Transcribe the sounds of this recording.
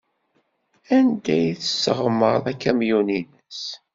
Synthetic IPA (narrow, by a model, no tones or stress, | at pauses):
ænd̪æjθə̥sːə̰ʁmːəɾˤækːæmjuninəs